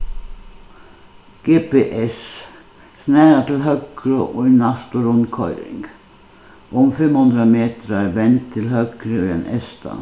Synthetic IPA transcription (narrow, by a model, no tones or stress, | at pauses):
ɡ̥eːpeʔɛs | snæːɾat̪ʰɪlɦœkɾəʔɔʏnast̪ʊɾʊnkʰɔʏɾɪ̰ŋɡ̥ | ʔɔmfɛmhɵnd̪ɾameːt̪əɾaʋɛnt̪ʰːɪlɦœkɾəyɛ̰nɛst̪ʰa̰